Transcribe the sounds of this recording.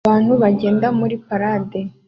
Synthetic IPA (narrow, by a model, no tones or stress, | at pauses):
aːn̥huβaɟe̞ːndamuɾipaɾaːde